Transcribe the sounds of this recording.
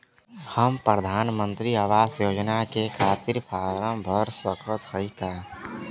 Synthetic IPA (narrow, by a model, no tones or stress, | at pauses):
həmpɾəd̪ʱaːnmə̃nt̪ɾiaʋaːsjoːd͡ʒnakekʰaːt̪iɾpʰaːɾəmbʱəɾswəkʰət̪həikaː